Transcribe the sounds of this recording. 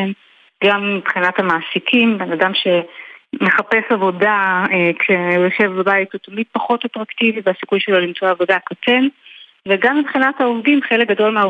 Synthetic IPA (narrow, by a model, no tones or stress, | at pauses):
n | ɡamːibχinathamaːsikʰimbe̞nadamʃe̞meχape̞savo̞daekʃejoʃevbabajitutamid̚paχo̞tatʁaktiviveasikujʃe̞lo̞limt͡soavo̞dakat͡se̞n | veɡamːibχinathaovdimχelek̚ɡado̞lmea